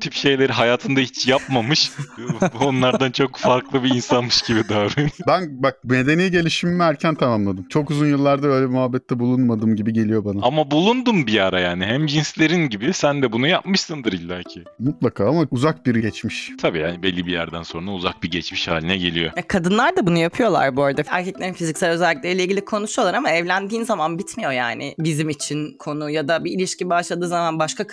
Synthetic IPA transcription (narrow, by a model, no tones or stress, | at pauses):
t̪ʰipʃe̞jlʲe̞ɾiɦajaːt̪ʰɯnd̪ahit͡ʃjapmamɯʃ | onlˠaɾd̪ant͡ʃʰo̞kfaɾklˠɯbiinsanmɯʃɟibid̪aːɾɯnbænbak̚ne̞d̪e̞nijiɟe̞lʲiʃimːiæɾcʰænt̪ʰamamlˠad̪ɯmt͡ʃʰo̞kuzunjɯlˠːaɾd̪aø̞jlʲɛimuɦabːɛt̪ʰːɛbulˠunmad̪ɯːmɟibiɟe̞lʲijo̞banaamabulˠund̪umbijaɾajaːniɦæmd͡ʒinslʲe̞ɾinɟibisænd̪ɛbunujapmɯʃsɯnd̪ɯɾilʲːajcʰɪ | mut̪lˠakʰaːamauzak̚biɾɟɛt͡ʃmiʃt̪ʰabiːjaːnibɛlʲːibijæ̰ɾd̪ænso̞nɾauzak̚biɾɟɛt͡ʃmiʃha̰ːlʲinɛɟe̞lʲijo̞̰jakʰad̪ɯnlˠaɾd̪abunujapʰɯjo̞lˠa̰ɾbøjd̪ɛæ̰ɾcʰɛclʲeɾinfizicsælʲø̞zælʲːic̬̚lʲeilʲeiɟilʲikʰo̞nusolˠaɾamaɛvlʲænd̪iːnzamanbit̪mijo̞ja̰ːnɪ̰bizimit͡ʃʰinkʰo̞nujad̪abiːlʲiʃcibaʃlˠad̪ɯːzamanbaʃkak